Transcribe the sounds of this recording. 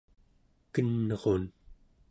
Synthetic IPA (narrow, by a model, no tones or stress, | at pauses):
kənːʌʁon